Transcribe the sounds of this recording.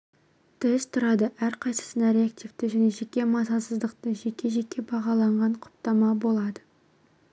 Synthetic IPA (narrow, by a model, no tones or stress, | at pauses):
t̪ʰɪɪzt̪ʰʊɾɑd̪əʔæɾqʰɑjsə̥sənɑɾeak̚t̪ivt̪ɪʒæne̞ʒe̞kʲːe̞mɑsɑsəzd̪əqt̪əʒe̞kʲʰːe̞ʒe̞kʲːe̞bɑʁɑlˠɑɴʁɑɴqʰʊ̥pt̪ɑmɑbo̞lˠɑd̪ə